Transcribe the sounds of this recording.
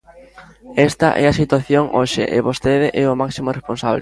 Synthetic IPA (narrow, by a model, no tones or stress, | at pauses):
ɛst̪ɐʔɛɐsit̪waθjoŋʔoʃɪ̰ʔɪβost̪eðɪʔɛʊmaksimoresponsaβle